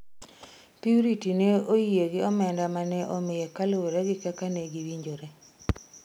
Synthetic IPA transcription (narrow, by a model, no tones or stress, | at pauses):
piuɾitineoijeɡɪɔmɛndamanɛʔomɪjɛkalowoɾɛɡɪkɛkaneɡiwiɲd͡ʒoɾe